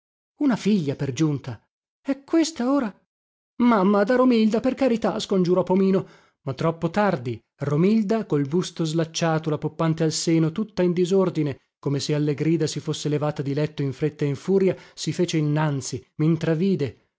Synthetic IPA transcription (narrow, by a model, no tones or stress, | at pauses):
unafiʎːaperd͡ʒunt̪a | ɛkːwest̪aoːɾa | mamːad̪aɾomild̪aperkaɾit̪askond͡ʒuɾɔpːomiːno | mat̪ːɾɔpːot̪ard̪i | romild̪akolbust̪ozlat͡ʃːaːt̪olapopːant̪ealseːnot̪ut̪ːaind̪izord̪ine | komesealːeɡɾiːd̪asifosːelevaːt̪ad̪ilɛt̪ːoiɱfɾet̪ːaiɱfuːɾjasifeːt͡ʃeinːant̪simint̪ɾaviːd̪e